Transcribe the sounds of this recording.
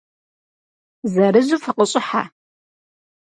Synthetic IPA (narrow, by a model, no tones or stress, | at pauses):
zɐɾɨʑufɐqəɕʼɪħa̰